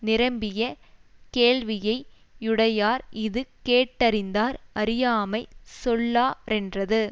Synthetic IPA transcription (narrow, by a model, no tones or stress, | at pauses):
nɪɾɐmbɪjɐ | keːɻʋɪjɐɪ | ʊɽɐjaːɾɪðɯkeːʈːɐɾɪnd̪aːɾɐɾɪjaːmɐɪsɔlːaːɾɛndrɐðɯ